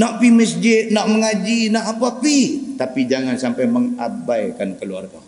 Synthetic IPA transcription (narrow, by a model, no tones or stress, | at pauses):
naʔbiməsd͡ʒɪt̪̚naʔməŋad͡ʒinaʔapapit̪apid͡ʒaŋansampajməŋabajkankəlua̰rɡa̰